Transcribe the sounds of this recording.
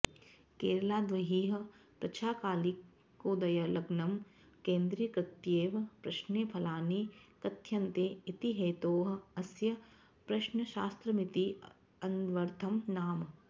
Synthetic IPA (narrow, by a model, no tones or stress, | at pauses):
keːɾɐlaːd̪ʋɐɦiːɦɐ̆pɾɐt͡ʃʰaːkaːli | oːd̪ɐjɐlɐɡnɐm | kẽːnd̪ɾiːjɐkɾɪt̪jeːʋɐpɾɐʃneːpʰɐlaːneːkɐt̪jɐnt̪eːit̪iɦeːt̪oːɦɐ̆ɐsjɐ | pɾɐʃnɐʃaːst̪ɾɐmit̪i | ɐnʋɐɾt̪ʰɐmnaːm